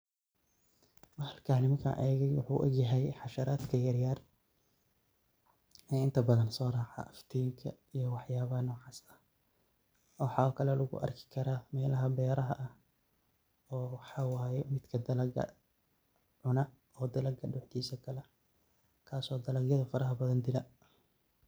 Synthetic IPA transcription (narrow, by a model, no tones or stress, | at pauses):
mɐhɐlkʰaːnɪmɐkʰɐ̰ʔɛːɣɛjwʊħṵːʔɔ̰ɡjɐɦɛjħɑʃɐɾaːd̪kʰɐjɐrjaːr | ɛːɪnt̪ʰɐbɐðɐnsɔːrɑːħa̰ʔɐft̪ʰiːŋkʰɐ | ijɔwɑħjaːβɐnɔːʕɑːsɐ | ħɑkʰɐlɛlʊɣʊ̰ʔɐ̰rkʰɪ̥kʰɐɾaːmɛːlɐɦɐbɛːɾɐɦɐʔɐh | ɔːwħɑwaːjɛmɪd̪kʰɐd̪ɐlɐɡɐ̰ | ʕʊnɐ | ɔːd̪ɐlɐɡɐɗʊħt̪ʰiːsɐkʰɐlɛ | kʰaːsɔːd̪ɐlɐɡjɐðɐfɐɾɐɦɐbɐðɐnd̪ɪlɐ